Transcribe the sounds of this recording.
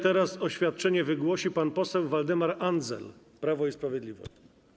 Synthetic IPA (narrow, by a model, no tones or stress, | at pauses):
t̪ɛɾasɔɕfʲjat̪̚t͡ʂɛɲɛvɘɡwɔɕipanpɔsɛwvald̪ɘmaɾanzɛ̰l | pɾavɔispɾavʲjɛd̪lʲivɔ̰ɕt͡ɕ